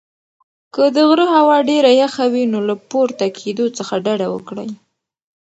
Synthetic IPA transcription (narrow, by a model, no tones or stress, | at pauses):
kəd̪əɣɾəɦawɑɖeɾajaxawinolapoɾt̪akʰed̪ot͡səxaɖaɖawə̰kɽə̰j